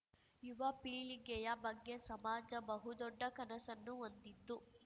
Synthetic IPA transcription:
juʋɐpiːɭiɡɛjɐbɐɡːe̞sɐmaːd͡ʒɐbɐɦud̪ɔɖːɐkɐnɐsɐnːuond̪id̪ːu

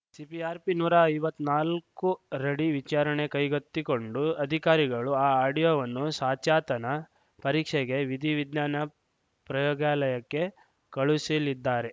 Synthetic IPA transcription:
sipiaːɾpinuːɾɐɐjʋɐt̪ːnaːlkuɾeɽiʋit͡ʃaːɾɐɳe̞kɐjɡɐt̪ːiko̞ɳɖuɐd̪ʱikaːɾiɡɐɭuaːaːɖijoʋɐnːusaːt͡ʃaːt̪ɐnɐ | pɐɾiːkʂɛɡe̞ʋid̪ʱiʋid̪naːnɐ | pɾɐjɔːɡaːlɐjɐkːe̞ | kɐɭusilid̪ːaːɾe̞

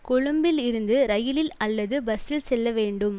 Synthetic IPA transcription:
kʊɻʊmbɪlɪɾɯnd̪ɯɾɐjɪlɪlɐlːɐðɯbɐsɪlsɛlːɐʋeːɳɖɯm

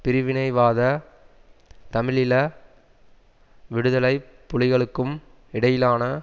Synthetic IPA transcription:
pɪɾɪʋɪnɐɪʋaːðɐ | t̪ɐmɪɭɪlɐ | ʋɪɽɯðɐlɐɪpːʊɭɪɣɐɭɯkːɯm | ɪɽɐjɪlaːnɐ

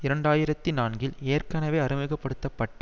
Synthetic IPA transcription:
ɪɾɐɳɖaːjɪɾɐt̪ːinaːnɡɪleːrkɐnɐʋeːɐɾɪmɪɣɐpːɐɽɯt̪ːɐpːɐʈːɐ

